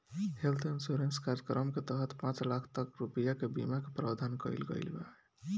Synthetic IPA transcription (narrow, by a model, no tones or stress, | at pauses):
helt̪ʰinsuɾenskaɾd͡ʒəkɾəmket̪əɦət̪pãt͡ʃlakʰt̪əkɾupəjakebḭmakepɾabd̪ʱankə̰ɪlɡə̰jlba̰e